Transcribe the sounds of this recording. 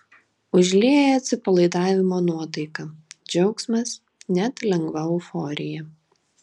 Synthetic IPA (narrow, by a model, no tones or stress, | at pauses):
ʊʒʲlʲeːjɐt̪ʲsʲɪpɐlˠɐɪd̪ɑːʋʲɪmoːnuɔt̪ɐɪkɐd͡ʒʲɛʊksʲmɐs | nʲɛt̪lʲɛŋɡʋɐʊfɔːɾʲɪjɛ